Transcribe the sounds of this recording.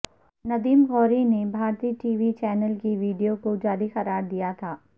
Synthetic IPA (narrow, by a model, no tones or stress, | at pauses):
nɐd̪iːmɣɔːɾinebʱaːɾt̪iːʈiːʋit͡ʃɛːnəlkiʋiːɖijokod͡ʒaːɾixɐɾaːɾd̪ijat̪ʰaː